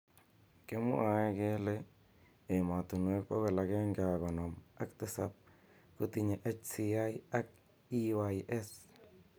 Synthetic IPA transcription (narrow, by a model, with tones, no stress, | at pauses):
ke˦mʊ̰˦a˨ɛ˦ke˦le˦ | e˨ma˨tu˨nwe˦k̚pɔ˦ko˨la˨kɛ˦ŋɡa˨kɔ˨nɔ˨ma˦ktɪsa̰˦p̚ | ku˦tiɲe˨ʔe˦t͡ʃsia˦ja˦k̚ | i˦wa˨jʔɛ˦s